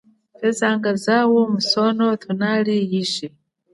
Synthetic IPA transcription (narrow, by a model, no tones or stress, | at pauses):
fɛzaŋɡazawɔmusɔnɔt̪ʰunalijiʃi